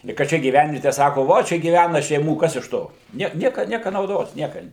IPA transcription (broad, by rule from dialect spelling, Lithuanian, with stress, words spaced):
ɪ kɐ ˈt͡ʃʲɛ ɡʲiːˈʋʲɛnʲʋʲiɛtʲɛ ˈsɑːkoː ˈʋoː ˈt͡ʃʲɛ ɡʲiːˈʋʲænɐ ʃʲɛɪˈmuː ˈkɐs ɪʃ ˈtoː ˈnʲiɛk ˈnʲiɛkɐ ˈnʲiɛkɐ nɐʊˈdoːs ˈnʲiɛkɐ